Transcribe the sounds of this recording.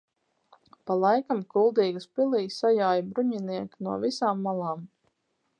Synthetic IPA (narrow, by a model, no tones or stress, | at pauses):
palˠajkamkulˠd̪iːɡuspilˠiːsajaːjbɾuɲiniɛknuɔvisaːmːalˠaːm